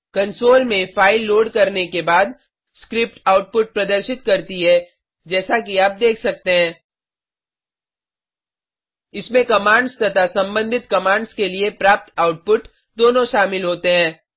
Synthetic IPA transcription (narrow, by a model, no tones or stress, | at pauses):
kɐ̃nsoːlmẽfʰaːɪlːoːɖkɐɾnekebaːd̪ | skɾɪp̚ʈaːʊʈ̚pʊʈ̚pɾɐd̪əɾʃɪt̪kɐɾt̪iɦɛ | d͡ʒɛːsakiaːp̚d̪eːkʰsɐk̚t̪eɦɛ̃ː | ɪsmẽkɐmaːɳɖst̪ɐt̪ʰasɐ̃mbə̃nd̪ʱɪt̪kɐmãːɳɖskeliepɾaːp̚t̪aːʊʈ̚pʊʈ | d̪oːnõʃaːmɪlɦoːt̪eɦɛ̃ː